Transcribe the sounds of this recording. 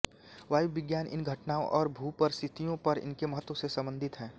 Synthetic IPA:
ʋaːjubɪɡjaːnʔɪ̰nɡʱɐʈnaːõʔɔːɾbʱuːpɐɾst̪ʰɪt̪ijõpɐɾɪ̰nkemɐɦət̪ːwosesɐ̃mbə̃nd̪ʱɪt̪ɦɛ̃ː

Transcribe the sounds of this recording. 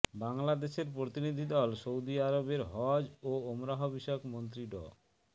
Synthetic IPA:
baŋlad̪eʃeɾpɾot̪inid̪ʱid̪ɔlsowd̪iaɾobeɾɦɔd͡ʑoomɾaɦobiʃokmont̪̬ɾiɖɔ̰

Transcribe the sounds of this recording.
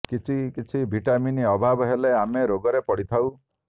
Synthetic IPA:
kit͡ʃʰikit͡ʃʰibʱiʈaminiɔbʱabɔɦeleameɾoɡɔɾepɔɽ̤it̪ʰaw

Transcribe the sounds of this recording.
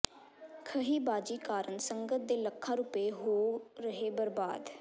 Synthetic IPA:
kʰəɦiːbaːd͡ʒiːkaːɾənsəŋɡət̪̚d̪eːləkʰːaːɾuːpeːɦoːɾəɦeːbəɾba̰ːd̪

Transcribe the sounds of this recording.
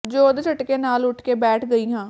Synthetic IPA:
d͡ʒoːd̪t͡ʃʰəʈkeːnaːlʊʈʰkeːbɛːʈʰɡəiːɦãː

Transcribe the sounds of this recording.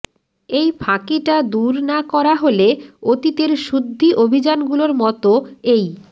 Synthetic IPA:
ejbʰʱãkiʈad̪uɾnakɔɾaɦoleot̪it̪eɾʃud̪ʱːiʔobʱid͡ʑanɡuloɾmɔt̪oej

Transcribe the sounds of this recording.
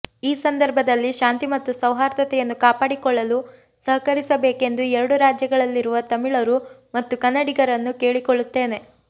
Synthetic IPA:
iːsɐnd̪ɐɾbʱɐd̪ɐlːiʃaːnt̪imɐt̪ːusɐwɦaːɾt̪ɐt̪ɛjɐnːukaːpaːɽikɔɭːɐlu | sɐɦɐkɐɾisɐbeːke̞nd̪uɛɾɐɽuɾaːd͡ʒjɐɡɐɭɐlːiɾuʋɐt̪ɐmiɭɐɾumɐt̪ːukɐnːɐɽiɡɐɾɐnːuke̞ːɭikoɭːut̪ːe̞ːne̞

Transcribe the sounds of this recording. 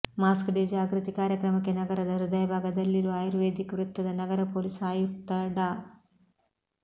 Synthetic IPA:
maːskɖed͡ʒaːɡɾut̪ikaːɾjɐkɾɐmɐkːe̞nɐɡɐɾɐd̪ɐɾud̪ɐjɐbʱaːɡɐd̪ɐlːiɾuaːjuɾʋeːd̪ʱikɐʋɾut̪ːɐd̪ɐnɐɡɐɾɐpoːlisaːjut̪ːɐɽɐ

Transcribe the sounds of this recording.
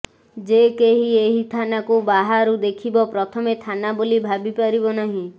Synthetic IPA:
d͡ʒekeɦieɦit̪ʰanakubaɦaɾud̪ekʰibɔpɾɔt̪ʰɔmet̪ʰanabolibʱabipaɾibɔnaɦĩ

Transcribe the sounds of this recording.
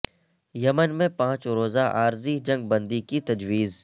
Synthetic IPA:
jɐmənmẽpãːt͡ʃɾoːzaʔaːɾzid͡ʒɐ̃ŋɡ̚bɐ̃nd̪ikit̪ɐd͡ʒwiːz

